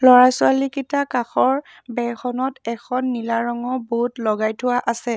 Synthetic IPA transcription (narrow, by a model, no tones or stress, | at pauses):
lɔɹasʊalikitakaxɔɹ | bɛxʰɔnɔtɛkʰɔnːilaɹɔŋɔboutlɔɡajtʰʊwaʔasɛ